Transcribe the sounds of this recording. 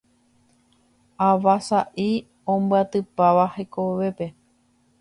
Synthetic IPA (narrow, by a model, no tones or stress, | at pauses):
aʋasaʔi | õmbɨat̪ɨpaʋaheko̞ʋe̞pe̞